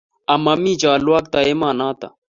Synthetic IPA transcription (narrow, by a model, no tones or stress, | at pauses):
ɐmɐmiːd͡ʒaːlwaːk̚t̪ɐemaːnaːt̪ɐ̰